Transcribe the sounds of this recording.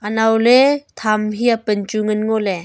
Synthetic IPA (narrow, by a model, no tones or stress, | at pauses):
anawlet̪ʰamɦiapənt͡ʃuŋɯnŋole